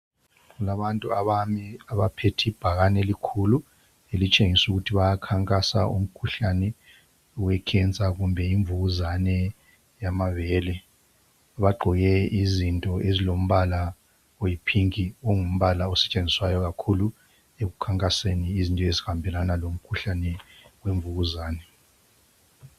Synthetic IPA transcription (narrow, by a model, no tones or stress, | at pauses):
ulaβantʼuaβamiaβapʰetʰib̥ʱaɣanɛlikʰulu | elit͡ʃʼeŋisuɣutʰiβajakʰaŋkʼasa̰ʔṵm̩kʰuɬanɛ | wɛkʰɛnt͡sʼaɣumbʱɛiɱvuɣuzanɛ | jamavɛːlɛ | βaɡ͡ǃʱɔɣɛizintʼɔʔezilom̩βala | ojipʰiŋioŋum̩βalaɔsɛt͡ʃʼend͡zʱiswajɔɣakʰulu | ek̬ukʰaŋkʼaseniːzintʼɔezihambʱɛlanalom̩kʰuɬanɛweɱvuɣuzaːnɛ